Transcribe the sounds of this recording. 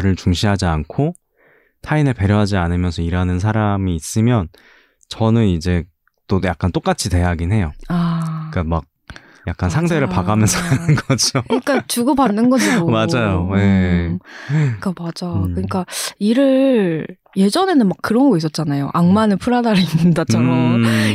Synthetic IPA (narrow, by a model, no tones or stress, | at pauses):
ɾɯɭt͡ɕuŋɕʰiɦad͡ʑiankʰo | tʰainɯɭpe̞ɾjoɦad͡ʑianɯmjʌnsʰʌiɾanɯns̬ʰaɾamiːs͈ɯmjʌn | t͡ɕʌnɯnid͡ʑe̞ | t͈ojak͈ant͈ok͈at͡ɕʰite̞jaɡinɦe̞joak͈amak̚ | jak̚k͈ansʰaŋde̞ɾɯɭpaɡamjʌnsʰaɾnɯnɡʌd͡ʑoik͈at͡ɕuɡʌbanːɯnɡʌd͡ʑoomad͡ʑajoje̞ | k͈amad͡ʑakɯɲik͈aiɾɯ | je̞d͡ʑʌne̞nɯnmakkːɯɾʌnɡʌis̬͈ʌt̚t͡ɕ͈anajo̰ʔaŋmanɯɭpʰuɾadaɾinːɯndat͡ɕa